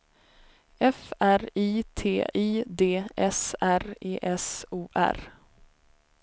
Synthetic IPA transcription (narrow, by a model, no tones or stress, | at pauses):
ɛfæɾiːt̪ʰeːʔiːd̪eːʔɛsæɾeːʔɛsuːʔæ̰ɾ